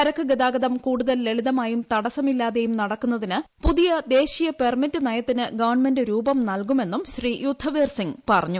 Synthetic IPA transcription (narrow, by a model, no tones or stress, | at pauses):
ɐɾɐkːɨɡɐðaːɡɐðɐmkuːɽuðɐleɭiðɐmaːjumt̪ɐɽɐsɐmilːaːðejumnɐɽɐkːunːɐðinɨpuðijɐd̪e̞ːɕijɐpe̞rmitːɨnɐjɐt̪ːinɨɡɐʋɐrɳme̞ndɨɾuːbɐmnɐlkume̞nːumɕriːjud̪ʱːɐʋeːrsiŋpɐrɐɲːu